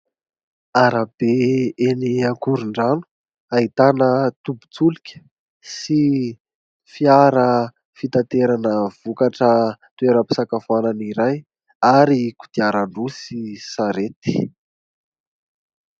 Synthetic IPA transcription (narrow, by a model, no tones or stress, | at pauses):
aɾab̥eeniakuɾuɳɖ͡ʐanu̥ | ait̪anət̪ubu̥t͡sulikʲə̥ | si | fiaɾə | fit̪at̪eɾanəv̥ukaʈ͡ʂət̪ueɾəpi̥sakafananiɾaj | aɾiku̥d̪̥iaɾaɳɖ͡ʐusisaɾet̪i̥